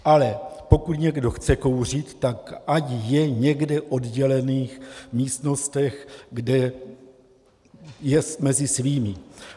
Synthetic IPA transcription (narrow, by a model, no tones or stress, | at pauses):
ʔalɛpo̞kut̪ɲɛɡdo̞xt͡sɛko̞wr̝it̪ːakʔacjɛɲɛɡdɛʔo̞d̪ɟɛlɛniːxmiːst̪no̞st̪ɛxɡdɛ | jɛst̪mɛzɪsviːmɪ